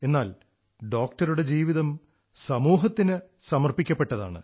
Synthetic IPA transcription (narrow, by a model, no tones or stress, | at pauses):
e̞nːaːl | ɖo̞ːk̚ʈɐɾuɽe̞d͡ʑiːʋiðɐm | sɐmuːɦɐt̪ːinɨ | sɐmɐrpikʲːɐpːe̞ʈːɐðaːɳɨ̰